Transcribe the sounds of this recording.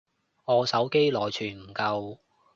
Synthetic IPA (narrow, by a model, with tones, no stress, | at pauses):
ŋɔː˨˧sɐ˨˥wke˥jlɔː˨˩jt͡ʃʰyː˨˩nm̩˨˩kɐ˧w